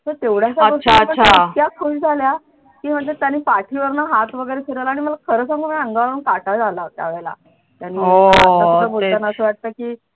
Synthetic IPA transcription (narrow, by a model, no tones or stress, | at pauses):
t̪əɾt̪eʋɽ̤aɕaəɡoʂt͡ɕaəɳt͡ɕak̪jakʰuɕd͡zʱalja | kiːm̤əɳd͡zet̪janːiːpaʈʰiːʋəɾnaɦat̪ʋəɡəjɾekʰiɾəlaːɽiməlakʰəɾəːsãŋɡoməəŋɡaaənkaʈad͡zʱalat̪ja̰ʋeɭela̰ | t̪janːiːoaəəbʱolanaasəʋaʈ̚t̪əkiː